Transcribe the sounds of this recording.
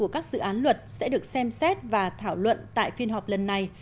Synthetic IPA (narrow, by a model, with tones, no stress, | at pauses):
u˧˩əkaː˦˥k̚z̥ɨ̰˧˨ʔaː˨˦nlwə˨˩t̚sɛ̰˧˥ɗɨ˨˩ək̚sɛ˧msɛ˦˥t̚vaː˨˩t̪ʰaː˧˩wlwə̰˧˨nt̪a̰ː˧˨jfi˧ənɦɔ˨˩p̚lə˨˩nːa˨˧˩j